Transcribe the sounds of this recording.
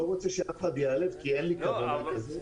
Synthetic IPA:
oʁot͡sɛʃeafχad̪jalevkienlikavoakaze

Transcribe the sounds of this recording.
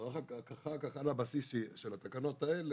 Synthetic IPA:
aχakakaχakaχalabasisʃʃelat̪akano̞t̪aele

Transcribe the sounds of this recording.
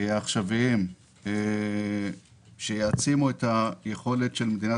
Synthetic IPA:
aχʃavim | ʃejeat͡simuetajeχo̞le̞tʃelmed̪ina

